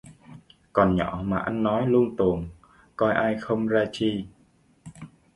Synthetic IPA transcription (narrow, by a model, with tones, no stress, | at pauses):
kɔ˨˩nɲɔ˧˩maː˨˩ʔa˧jŋːɔ˨˦jlu˧əŋt̪u˨˩əŋ | kɔ˧jʔaː˧jxə˧wŋ͡mzaː˧t͡ɕi˧